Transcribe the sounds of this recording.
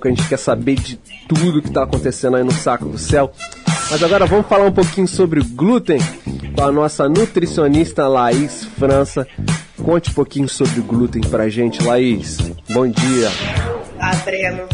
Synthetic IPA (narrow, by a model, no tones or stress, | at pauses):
kɪɐʒẽnt͡ʃɪ̥kɛsabed͡ʒɪt̪ud̪ʊːkɪ̥t̪aːkõnt̪esẽnd̪ɐinʊsakʊd̪ʊsɛw | mɐzaɡɔɾɐvɐ̃mʊsfalaɾũpokĩɲʊsobɾɪʊɡlut̪ẽj̃kõɐnɔsɐnut̪ɾisionist̪ɐlaisfɾɐ̃sɐ | kõnt͡ʃɪũpokĩɲʊsobɾɪʊɡlut̪ẽj̃pɾaʒẽt͡ʃɪlaisbõd͡ʒiɐ | ad̪ɾenʊ